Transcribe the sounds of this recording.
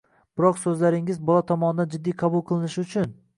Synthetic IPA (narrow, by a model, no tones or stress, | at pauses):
b̥ɪɾɒqsɵzlaɾɪŋɪzbɒlˠat̪ʰɒmɒnɪd̪and͡ʒɪd̪ːijqʰɑbʊlˠqʰɨlˠɪnɪʃʊt͡ʃʰʊn